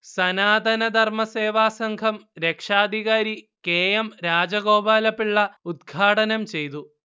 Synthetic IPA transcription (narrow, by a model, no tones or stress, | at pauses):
sɐnaːd̪ʱɐnɐd̪ʱɐrmɐse̞ːʋaːsɐŋɡʰʱɐmɾekʂaːd̪ʱiɣaːɾi | keːjɐmɾaːd͡ʑɐɣo̞ːbaːlɐpːiɭːɐud̪̚ɡʱaːʈɐnɐmt͡ɕe̞jt̪u